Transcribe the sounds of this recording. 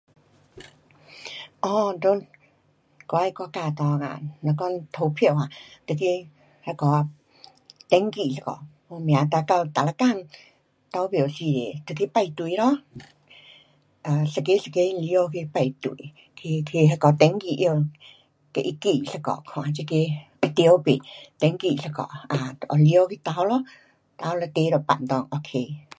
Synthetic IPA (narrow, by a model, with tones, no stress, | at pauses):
ʔɔ˧ndo˧˦n | kɔ˧˦˧kɔ˧˦ka˧˨t̪ɔ˧ka̰˧˨nɔ˧kɔ˧˥˨nt̪ʰo˨˧˦wpʰjo˧˨wa˧˨t̪ə˧ki˧ | ha˧kɔ˧˦ | t̪ɛ˧˦ŋki˧˨ɬa˧kɔ̰˨ | ɔ˧mja˨t̪a˧ka˧wt̪a˨la˧ka˧˨n | t̪ɔ˧˦wbje˨si˧˨d̪ḛ˨t̪ə˧˨ki˧˦pa˧jt̪u˨jɾɔ˦ | ʔa˨ɬa˧ke˦ɬa˧ke˧˦˧li˧o˧ke˧pa˧jt̪ṵ˧˨ | kʰe˧kʰe˧ɦa˧kɔ˧t̪ɛ˧˦ŋki˧˨ʔjo˧ | ke˧ʔi˧ki˧˨ɬa˧kɔ̰˨kʰɔ̃˨t͡ʃi˧ke˧ | ə˧t̪i˧ə˧˦wpḛ˨t̪ɛ˧˦ŋki˧˨ɬa˧kɔ̰˨ʔa˨˧ʔɔ˧li˧o˧ke˧t̪a˧˦wlɔ˦ | t̪a˧˦la˧t̪e˧˦ɾɔ˧˨pa̰˧˨nt̪ɔ˧˨ŋʔo˧kʰe˧˨